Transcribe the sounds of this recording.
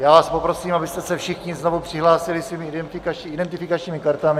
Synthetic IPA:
jaːvaːspopɾo̞siːmabɪst̪ɛsɛfʃɪxɲɪznovopr̥ɪɦlaːsɪlɪsviːmɪdɛnɪkat͡ʃɪdɛnt̪ɪfɪkat͡ʃɲiːmɪkaɾt̪amɪ

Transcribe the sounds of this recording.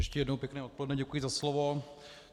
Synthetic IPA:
ɛʃcɛjɛdnowpjɛknɛːʔot̪̚polɛdnɛɟɛkujizaslovo

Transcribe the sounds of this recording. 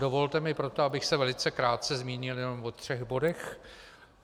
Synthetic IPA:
dovo̞lt̪ɛmɪpɾo̞t̪oabɪxsɛvɛlɪt͡sɛkɾaːt̪̚t͡sɛzmiːɲɪljɛno̞mvot̪r̝̥ɛɣbo̞dɛx

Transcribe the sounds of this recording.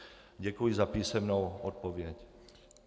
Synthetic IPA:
ɟɛkujizapiːsɛmnowʔot̪̚povjɛc

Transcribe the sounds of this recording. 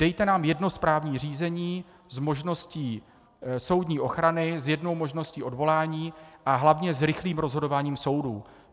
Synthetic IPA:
d̥ɛjt̪ɛnaːmjɛdno̞spɾaːvɲiːr̝iːzɛɲiː | zmoʒno̞sciː | so̞wdɲiːʔo̞xɾanɪzjɛdno̞wmo̞ʒnosciːʔo̞dvo̞laːɲiːʔaɦlavɲɛzɾɪxliːmɾo̞zɦo̞do̞vaːɲiːmso̞wdṵː

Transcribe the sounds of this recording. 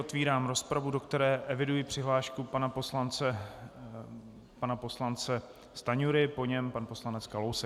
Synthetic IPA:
ot̪viːɾaːmɾo̞spɾavudo̞kt̪ɛɾɛːʔɛvɪdujɪpr̝̥ɪɦlaːʃkupanaposlant͡sɛ | panapo̞slant͡sɛ | st̪aɲuɾɪpo̞ɲɛmpanpo̞slanɛt͡skalowsɛ

